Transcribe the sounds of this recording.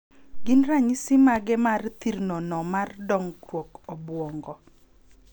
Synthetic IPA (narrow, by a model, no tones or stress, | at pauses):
ɡɪnɾaɲisɪmaɡɛmart̪iɾnɔnɔmardɔŋkwɔkɔbwɔŋɡɔ